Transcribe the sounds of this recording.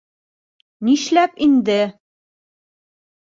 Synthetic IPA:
niʃlæpind̪ɘ

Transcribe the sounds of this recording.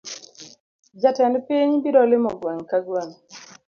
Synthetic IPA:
d͡ʒatɛnpiɲbiɾɔlɪmɔɡwaŋkaɡwaŋ

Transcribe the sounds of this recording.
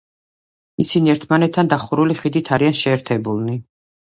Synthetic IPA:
isiniɛɾt̪ʰmanɛt̪ʰːand̪aχuɾuliχid̪it̪ʰaɾianʃɛːɾt̪ʰɛbulˠni

